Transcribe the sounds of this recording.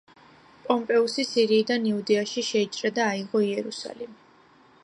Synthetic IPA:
pʼɔmpʼɛusisiɾiːd̪aniud̪ɛaʃiʃɛit͡ʃʼɾɛd̪aːiʁɔiɛɾusa̰lɛm

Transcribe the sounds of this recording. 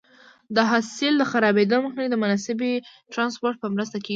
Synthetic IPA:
d̪əɦɑsɪld̪əxaɾɑbed̪oməxnaid̪əmʊnɑsɪbeʈɾɑnspoɾʈ̚pəmɾəst̪akeɡ

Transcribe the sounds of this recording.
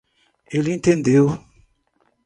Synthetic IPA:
elintendeo

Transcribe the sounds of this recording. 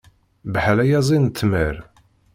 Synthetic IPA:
bħlæjæzˤint̪ːməɾ

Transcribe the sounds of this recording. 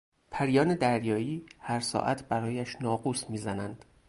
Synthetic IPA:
pʰæɾjɒːned̪æɾjɒːiːhæɾsɒ̰ːʔæt̪ʰbæɾɒːjæʃnɒːɡuːsmiːzænænd̪̥

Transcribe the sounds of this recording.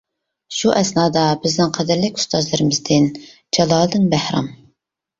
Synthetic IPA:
ʃuʔɛsnɑːd̪ɑbɪznɪŋqʰɛd̪ɪɾlɪkʲu̥st̪ɑzlˠɨɾɨmɪzd̪ɪn | d͡ʒɑlˠɑːlˠd̪ɨnbæhɾɑ̰m

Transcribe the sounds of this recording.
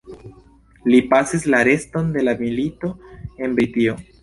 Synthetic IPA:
lipasislaɾe̞sto̞nd̪e̞lamilito̞e̞nbɾitio̞

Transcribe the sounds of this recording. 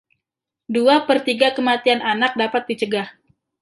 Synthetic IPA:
duapərt̪iɡakəmat̪iananak̚dapat̪̚dit͡ʃəɡah

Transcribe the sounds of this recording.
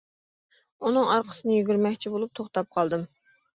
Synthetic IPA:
unɨŋɑɾqʰə̥sɨnɨjyɡʲyɾmɛkʲt͡ʃʰibolˠup̚t̪ʰoχt̪ɑp̚qʰɑlˠd̪ɨm

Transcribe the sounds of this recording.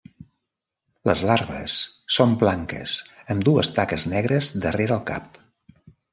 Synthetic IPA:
lə̰zlaɾβə̰sːomblaŋkə̰səmd̪uəst̪akəznɛɣ̞ɾəzd̪əreɾəːlˠka̰p̚

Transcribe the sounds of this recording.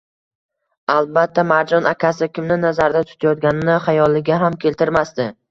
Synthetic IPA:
alˠbat̪ʰːamaɾd͡ʒɒnakʲasɪkʲʰɪmnɪnazaɾd̪at̪ʰʊ̥t̪ʰajɒt̪̚ɡʲanɪnɪχajɒlːɪɡʲaɦamkʲʰe̞lt̪ʰɪɾmast̪ɪ

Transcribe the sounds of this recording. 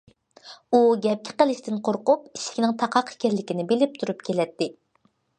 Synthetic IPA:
uɡʲɛp̚kʲʰi̥qəlˠɪʃt̪ɪnqʰoɾqʊpi̥ʃkʲinɪŋt̪ʰɑqʰɑqʰi̥kʲʰæɾlɪkʲinɪbelɪp̚t̪ʰuɾupkʲʰelɛt̪ːɪ

